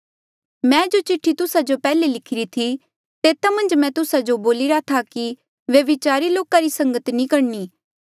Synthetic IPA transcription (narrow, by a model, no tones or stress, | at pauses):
mɛ̃ːd͡ʒot͡ʃɪʈʰːit̪ʊsad͡ʒopɛːlelɪkʰɪɾit̪ʰi | t̪eːt̪amɐ̃nd͡ʒmɛ̃t̪ʊsad͡ʒoboːlɪɾat̪ʰaki | ʋjɐʋɪt͡ʃaːɾiloːkaɾisɐ̃ŋɡət̪nĩkɐɽniː